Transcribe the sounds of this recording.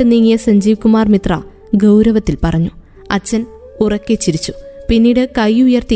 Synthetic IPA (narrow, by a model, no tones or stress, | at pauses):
ɨniːŋːijɐsɐɲd͡ʑiːʋkːumaːrmit̪rɐ | ɡɐwɾɐʋɐt̪ːilpɐrɐɲːu | ɐt͡ɕːɐn | urɐkːet͡ɕːiɾit͡ɕːu̥pinːiːɽɨkɐjːujɐrt̪i